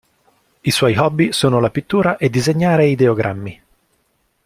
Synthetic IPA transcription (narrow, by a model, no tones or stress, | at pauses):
iswɔjɦɔbːisoːnolapit̪ːuːɾaʔed̪ːizeɲːaːɾeid̪eoɡɾʔa̰mːi